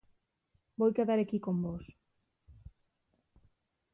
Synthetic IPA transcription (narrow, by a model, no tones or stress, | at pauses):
bojkeðaɾekikombos